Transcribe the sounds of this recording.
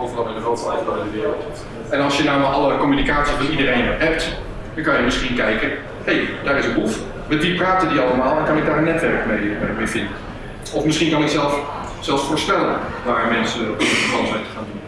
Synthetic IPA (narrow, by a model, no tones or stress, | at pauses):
owvənɑlɪndəχrowtəɛjfbalˠɪndəʋɪːrəlˠtt | ɛnɑlˠsjənaːmalʔɑlˠəkɔmynikaːtsifɔntidərejnʋɛp̚t | d̥ɔŋkɑnjəmɪsχinkɛjkə | hejd̥aːɾɪsənɦuf | mɛtʋipraːtədiɑlˠəmaːlˠɛnkɑnɪk̚daːɹənːɛtʋɛɹkmejmejvɪndən | ɔfmɪsχindɑnəsɛlˠf | zɛlˠfsfoːɹspɛlənʋaːɹmɛnsəɔəəkɑnˠsɛjntə̥χaːndun